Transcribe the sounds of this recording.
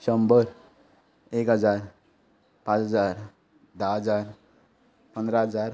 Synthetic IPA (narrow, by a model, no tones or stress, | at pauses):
ɕəmbəɾ | ekɦəd͡zaɾ | pãt͡sɦəd͡zaɾ | d̪aɦəd͡zaɾ | pənd̪ɾaɦəd͡zaɾ